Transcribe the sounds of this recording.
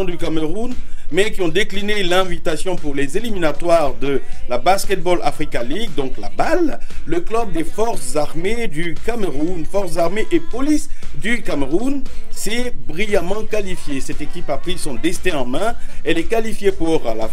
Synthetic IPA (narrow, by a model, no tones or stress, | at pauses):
ɔ̃d̪ykamʁunmɛkʲiɔ̃d̪eklinelɛ̃vit̪asjɔ̃puʁlezeliminat̪waʁd̪əlabaskʲɛt̪̚bɔlʔa̰fχikaliɡ̚d̪ɔ̃klabalːəklœb̚d̪efɔʁszaʁmed̪ykamʁunfɔʁsəzaʁmeʔepɔlisd̪ykamʁunsɛbʁijamɑ̃kalifjesɛt̪ekʲipapχisɔ̃d̪ɛst̪ɛ̃ɑ̃mɛ̃ɛlɛkalifjepuʁla